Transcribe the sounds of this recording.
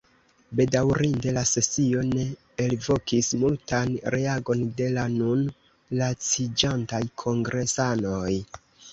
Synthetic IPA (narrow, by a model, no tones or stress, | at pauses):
be̞dawɾinde̞lase̞sio̞ne̞ː | lvo̞kismultanɾe̞aɡo̞nde̞lanun | lat͡sid͡ʒantajkʰo̞ŋɡɾe̞sano̞j